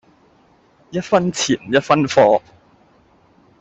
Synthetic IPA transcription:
jɐ˥t̚fɐ˥nt͡sʰiː˨˩nm̩˨˩jɐ˥t̚fɐ˥nfɔː˧

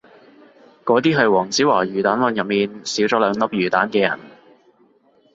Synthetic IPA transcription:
kɔː˨˧˥t̪iː˥ɦɐ˨jwɔː˨˩ŋt͡siː˨˥waː˨˩ɥyː˨˩t̪aː˨˥nwɐ˧njɐ˨p̚miː˨nsiː˨˥wt͡sɔː˨˥lœː˨˧ŋlɐ˥p̚jyː˨˩t̪aː˨˥nkɛː˧jɐ̰˨˩n

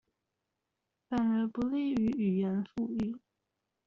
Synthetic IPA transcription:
fa˨˩nə˧˥pu˧˥li˥˩y˧˥y˨˩jɛ˧˥nfu˥˧y˥˩

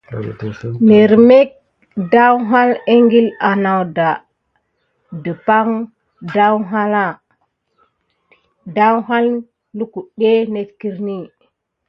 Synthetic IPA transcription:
ne˨ɾme˦k̚ | da˦wɦa˦le˦ŋɡi˦la˨na˨wda˨ | də˨pa˦ŋ | da˦wɦa˦la˦˨ | da˦wɦa˦l | lu˦ku˨ɗe˦ne˦tki˦ɾni˦

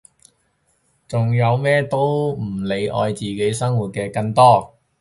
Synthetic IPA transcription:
t͡sʊ˨ŋjɐ˨˧wmɛː˥t̪o˥wm̩˨˩le˨˧jʔɔ̰ː˧jt͡siː˨ke˨˥jsɐ˥ŋwuː˨˩t̚kɛː˧kɐ˧ŋt̪ɔː˥

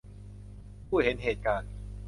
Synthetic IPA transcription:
pʰuː˥˩he˩˦nɦeː˨˩t̪̚kaː˧n

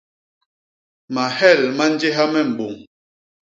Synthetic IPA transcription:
ma˨hɛ˦˨lma˦n˦d͡ʒe˦ɦa˦mɛ˦˨m̩˨ɓo˨ŋ

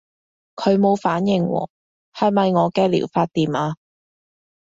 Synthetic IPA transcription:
kʰɵ˨˧ɥmo˨˧wfaː˨˥njɪ˨ŋwɔ̰ː˨˩ | hɐ˨jmɐ˨jŋɔː˨˧kɛː˧lḭː˨˩wfaː˧t̚t̪iː˨˩mʔaː˧

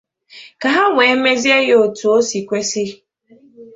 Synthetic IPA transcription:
ka˨ɦa˦ŋʷe˨˦me˦zi˦e˦jo˨tu˨o˦si˨kʷe˦si˦

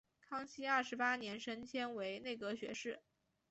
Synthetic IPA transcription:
kʰɑ˥ŋɕi˥ɐ˞˥˩ʂɻ̩˧˥pa˥njɛ˧˥nʂə˥nt͡ɕʰjɛ˥nwe˧˥ɪne˥˩ɪkɤ˧˥ɕɥɛ̰˧˥ʂɻ̩˥˩

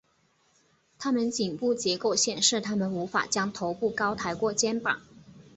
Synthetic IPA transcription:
t̪ʰa˥mə˨˦nt͡ɕi˨˩ŋpu˥˩t͡ɕjɛ˧˥ko˥˩ʊɕjɛ˨˩nʂɻ̩˥˩t̪ʰa˥mə˨nu˧˥fa̰˨˩t͡ɕjɑ˥ŋt̪ʰo˧˥ʊpu˥˩kɑ˥ʊt̪ʰa˧˥ɪkwɔ˥˩t͡ɕjɛ˥npɑ̰˨˩˦

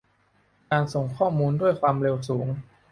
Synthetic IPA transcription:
kaː˧nso˨˩ŋkʰɔː˥˩muː˧ndu˥˩əjkʰwaː˧mɾe˧wsuː˩˦ŋ

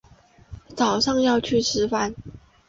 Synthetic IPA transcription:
t͡sɑ˨˩ʊʂɑ˥˧ŋjɑ˥˧ʊt͡ɕʰy˥˩ʂʰɻ̩˧˥fa˧˥n

